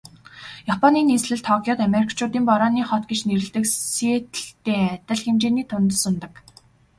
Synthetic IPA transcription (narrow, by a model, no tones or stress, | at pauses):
japʰɔniːneːsɮɘ̆ɮt̪ʰɔkʰʲjɔːt̪ameɾikʰt͡ɕʰʊːt̪iːmpɔɾɔːniːχɔt̪ɡet͡ɕneɾɘ̆ɮt̪ɘ̆kset̪ɘ̆ɬt̪eːæt̪ʲə̆ɮxemt͡ɕeːniːt̪ʰʊnt̪ə̆sʊnt̪ə̆k